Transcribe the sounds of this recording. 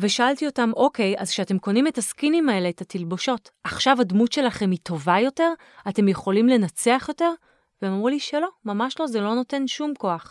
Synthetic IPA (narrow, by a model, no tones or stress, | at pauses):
veʃaaltio̞tamo̞ke̞ja̰zkʃeate̞mko̞nimetaskinimae̞leːtatilbo̞ʃo̞taχʃavadmutʃe̞laχe̞mito̞vajo̞te̞ʁ | ate̞mje̞χo̞limle̞nat͡seaχjo̞te̞ʁ | veemamʁuliʃelo̞mamaʃlo̞zelo̞no̞te̞nʃumko̞aχ